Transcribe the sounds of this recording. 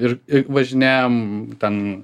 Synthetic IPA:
ɪɾɪʋɐʒʲɪnʲæːjomt̪ʲɛn

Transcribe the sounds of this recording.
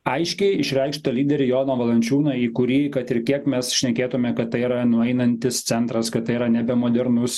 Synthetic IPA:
ɐɪʃʲkʲɛɪɪʃʲɾʲɛɪkʃt̪ɐlʲiːd̪ʲɛɾʲɪjoːnoːʋɐlˠɐnʲt͡ʃʲuːnɐiːkʊɾʲiːkɐt̪ɪɾkʲiɛkmʲɛsʃʲnʲɛkʲeːt̪ʊmʲɛkɐt̪t̪ːɐɪiɾɐnʊɛɪnɐnʲt̪ʲɪst̪sʲɛnt̪ɾɐskɐt̪t̪ːɐɪiɾɐnʲɛbʲɛmoːd̪ʲɛɾnʊs

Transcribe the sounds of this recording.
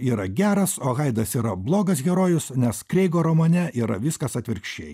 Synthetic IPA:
iːɾɐɡʲæːɾɐsoːɣɐɪd̪ɐsiːɾɐblˠoːɡɐs̬ɡʲɛɾoːjʊsnʲɛskɾʲeɪɡoːɾɐmoːnʲɛʔiːɾɐ̰ʋʲɪskɐsɐt̪ʲʋʲɪɾʲkʃʲt͡ʃʲḛɪ

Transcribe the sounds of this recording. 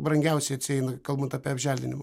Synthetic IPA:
bɾɐŋʲɡʲɛʊsʲɛɪɐt̪ʲsʲɪɛɪnɐkɐlˠbɐnt̪ɑːpʲiːɐbʲʒʲæːlʲdʲɪnʲɪmɐ

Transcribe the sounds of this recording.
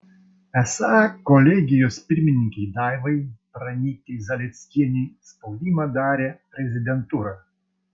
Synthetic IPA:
ɛsakɔlʲɛɡʲɪjɔsʲpʲiɾʲmʲɪnʲːikʲejd̪ajvɐjpɾɐnʲit̪ʲːejzɐlʲɛsʲkʲinʲejspɔwd̪ʲimɐd̪aɾʲɛpɾʲɛzʲɪd̪ʲɛnt̪uɾɐ

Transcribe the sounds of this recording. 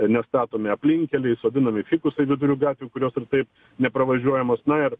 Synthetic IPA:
nʲɛst̪ɑːt̪oːmʲɪɐpʲlʲɪŋʲkʲɛlʲɛɪsoːd̪ʲɪnɐmʲɪfʲiːkʊsɐɪʋʲɪd̪ʊɾʲuːɡɑːt̪ʲʋʲʊkʊɾʲoːsɪrt̪ɐɪp | nʲɛpɾɐʋɐʒʲuɔjɛmoːsnɐɪr

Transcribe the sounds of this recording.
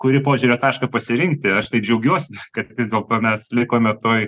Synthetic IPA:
kʊɾʲɪpoːʒʲuɾʲoːt̪ɑːʃkɐpɐsʲɪɾʲɪŋk̚t̪ʲɪɐʃt̪ɐɪp̚d͡ʒʲɛʊɡʲuɔsʲɪkɐt̪ʲkʲɪsd̪ʲeːlˠt̪oːmʲɛslʲɪkoːmʲɛt̪oːj

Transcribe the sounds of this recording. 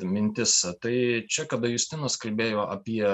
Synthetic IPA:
mʲɪnʲt̪ʲɪst̪ɐɪt͡ʃʲɛkɐd̪ɐjʊsʲt̪ʲɪnɐskɐlʲbʲeːjoːʔɐpʲiɛ

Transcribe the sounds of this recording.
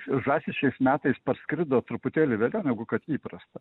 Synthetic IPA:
ʒɑːsʲɪʃʲt͡ʃʲɛɪsmʲæːt̪ɐɪspɐɾsʲkɾʲɪd̪oːt̪ɾʊpʊt̪ʲeːlʲɪʋʲeːlʲɛʊnʲɛɡʊkɐt̪iːpɾɐst̪ɐ

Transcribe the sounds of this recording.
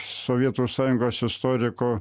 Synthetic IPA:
soːʋʲiɛt̪uːsɑːjʊŋɡoːsɪst̪oːɾʲɪkoː

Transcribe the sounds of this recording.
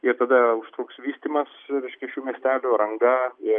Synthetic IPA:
ɪɾt̪ɐd̪ɐʊʃt̪ɾuːksʋʲiːsʲt̪ʲiːmɐsɾʲɛɪʃʲkʲɛʃʲuːmʲiɛsʲt̪ʲæːlʲʊɾɐŋɡɐɪ

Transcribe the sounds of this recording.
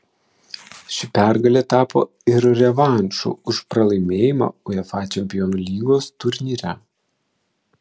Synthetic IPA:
ʃʲɪpʲæɾɡɐlʲɛt̪ɑːpo̰ː | ɪɾɾʲɛʋɑˑnʲt͡ʃṵːʊʃpɾɐlˠɐɪmʲeːjɪmɑ̰ːʊɛfɑːt͡ʃʲɛmʲpʲɪjɔnulʲiːɡoːst̪ʊɾʲnʲiːɾʲæ

